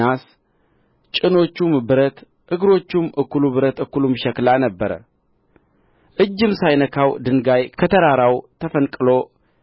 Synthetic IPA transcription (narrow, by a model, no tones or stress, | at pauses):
as | t͡ʃʼɨno̞t͡ʃːumbɨɾət̪ | ʔɨɡɾo̞t͡ʃːumʔɨkːuluβɨɾət̪ɨkːulumʃɛklanəbːəɾə̰ | ʔɨd͡ʒːɨmsajnəkʰawd̪ɨnɡajkʰət̪ʰəɾaɾawt̪ʰəfənkʼɨlo̞